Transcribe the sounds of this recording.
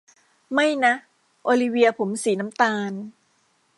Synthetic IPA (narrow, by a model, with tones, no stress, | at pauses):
ma˥˩jna˦˥ | ʔoː˧li˧wi˧ɐpʰo˩˦msiː˩˦na˦˥mt̪aː˧n